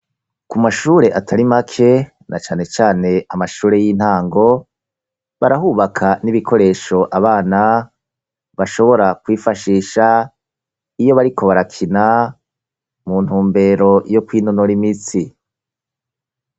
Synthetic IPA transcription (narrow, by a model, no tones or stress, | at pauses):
kumaʃuːɾe̞ʔatʰaɾimakʰe̞ | nat͡ʃaːne̞t͡ʃaːne̞amaʃuːɾe̞jiːn̥haːŋɡo̞ | βaɾaɦuːβakʰaniβikʰo̞ɾe̞ːʃo̞ʔaβaːna | βaʃo̞βo̞ɾakwiːfaʃiːʃa | ijo̞βaɾikʰo̞βaɾakʰina | mun̥huːmbe̞ːɾo̞jo̞kwiːnonoɾimit͡si